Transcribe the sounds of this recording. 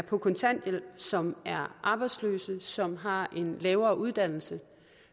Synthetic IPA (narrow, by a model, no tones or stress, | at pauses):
pʰɒ̽kʰɒ̽nt͡sʰæn̰d̥jelsɒ̽mæɐʔɑ̈ːb̥ɑ̈ɪd̥slø̰ːsəsɒ̽mɦɑ̈ʔe̝nlɛːʊɐːʔuð̞ˠd̥æn̰l̩sə